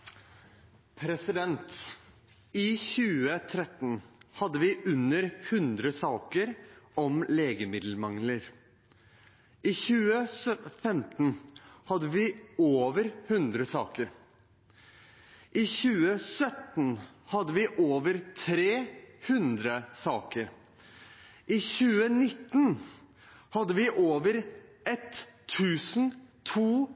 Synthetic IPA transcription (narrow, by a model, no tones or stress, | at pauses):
pʰɾɛsɪd̪ɛnt̪ | ɪçʉːət̪ʰɾɛt̪n̩hɑd̪ːəʋɪʔʉnːəɾhʉnd̪ɾəsɑːkəɾʔɔmleːɡəmɪd̪l̩mɑŋləɾ | ʔɪːçʉːəsfɛmt̪n̩hɑd̪əʋɪːoːʋəɾhʉnd̪ɾəsɑːkəɾ | ʔɪçʉːəsœt̪n̩hɑd̪ːəʋɪʔoːʋəɾt̪ʰɾeːhʉnd̪ɾəsɑːkəɾ | ʔɪçʉːənɪt̪ːn | hɑd̪ːəʋɪʔoːʋəɾʔɛt̪ʰːʉːsn̩t̪ʰuː